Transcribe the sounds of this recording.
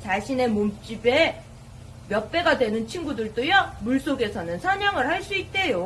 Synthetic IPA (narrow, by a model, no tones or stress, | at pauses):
t͡ɕaɕʰine̞momt͡ɕ͈ibe | mjʌk̚p͈e̞ɡadwe̞nɯnt͡ɕʰinɡudɯɭt͈ojamuɭs͈oɡe̞sʰʌnɯnsʰʌɲʌŋɯɭhaɭs͈uit̚t͈e̞jo